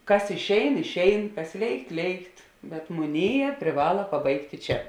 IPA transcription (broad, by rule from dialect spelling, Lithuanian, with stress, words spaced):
ˈkɐs ɪʃʲˈɛɪn ɪʃʲˈɛɪn ˈkɐs ˈlʲeːɪkt ˈlʲeːɪkt bʲɛt mʊˈnʲeːˌjɛː pʲrʲɪˈʋɑːlˠɐ pɐˈbɐɪktʲɪ ˈt͡ʃʲɛ